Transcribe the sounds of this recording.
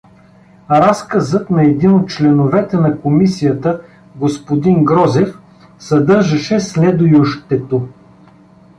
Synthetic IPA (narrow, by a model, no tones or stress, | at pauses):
ɾaskɐzət̪nɐɛd̪inot̪̚t͡ʃlɛnovɛt̪ɛnɐkomisijət̪ə | ɡospod̪inɡɾɔzɛf | sɐd̪ɤɾʒɐʃɛslɛd̪ʊjʊʃt̪ɛt̪o